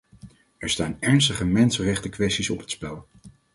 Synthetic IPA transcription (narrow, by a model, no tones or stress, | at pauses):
ɛɹstaːnɛɹnstəχəmɛnsənrɛχtəkʋɛstisɔpɦətspɛlˠ